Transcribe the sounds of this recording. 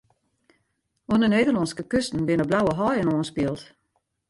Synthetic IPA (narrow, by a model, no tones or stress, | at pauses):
ɔnəneːdəlɔnskəkøstn̩bɪnəblawəɦɔjənɔːənspɪəlˠt